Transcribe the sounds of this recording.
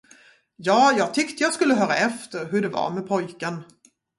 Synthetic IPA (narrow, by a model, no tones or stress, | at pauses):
jɑːjɑːɡ̚t̪ʰʏkt̪əjɑːɡskɵlːəɦœːɾaɛft̪əɾɦɵɖɛva̰ɾmɛpʰɔjkən